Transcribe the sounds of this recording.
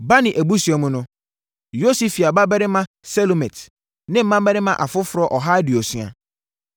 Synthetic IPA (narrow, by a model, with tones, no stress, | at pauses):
ba˦nɪ̃˨ʔæ˨bu˦si˨ɛ˨mʊ̃˦nʊ̃˦ | jo˦si˨fi˨a˨ba˦bɛ˦ɾɪ˦mã˦ | sɛ˦lo˨mɛ̃˨t | nɪ̃˦m̩˦mã˦m˦bɛ˦ɾɪ˦mã˦ʔa˨fʊ˦fʊ˨ɾɔ˦ʔɔ˨ɦa˦dɪ˨o˨sɥ̃a̰˨